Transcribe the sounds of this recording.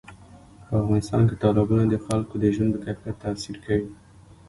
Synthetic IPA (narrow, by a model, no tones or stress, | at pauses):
pəafɣɑnɪst̪ɑ̰nket̪ɑlɪbɑnad̪əxalkod̪əʒwand̪b̪əkapat̪ːaːsiɾkawi